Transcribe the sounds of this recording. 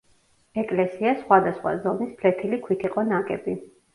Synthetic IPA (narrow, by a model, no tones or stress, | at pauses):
ɛkʼlɛsiasχwad̪asχwa̰zɔnispʰlɛt̪ʰilikʰwit̪ʰiqʼɔnakʼɛbi